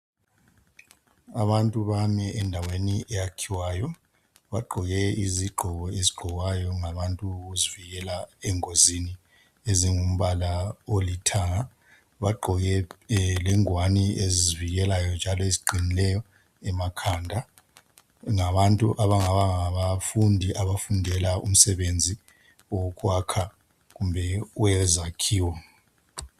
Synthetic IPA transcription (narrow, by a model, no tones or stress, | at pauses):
aβantʼuβamɛʔɛndʱaweniʔɛjakʰiwaːjɔ | βaɡ͡ǃʱɔɣɛiziɡ͡ǃʱɔɣɔeziɡ͡ǃʱɔɣajɔŋaβantʼuɣuziviɣɛlaɛŋozini | eziŋum̩βalaolitʰaŋa | βaɡ͡ǃʱɔɣɛlɛŋwanieziziviɣɛlajɔnd͡ʒʱalɔeziɡ͡ǃʱinilɛjɔ | ɛmakʰandʱa | ŋaβantʼuʔaβaŋaβaŋaβafundʱiʔaβafundʱɛlaʔṵm̩sɛβend͡zʱi | ɔk̬ʼwakʰa | ɣumbʱɛwɛzakʰiːwɔ